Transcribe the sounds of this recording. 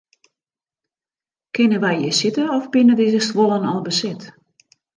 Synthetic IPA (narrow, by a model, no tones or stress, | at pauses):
kɪnəʋɛjjəsɪtəɔfbɪnədɪzəstʋolˠənɔlˠbəsɪt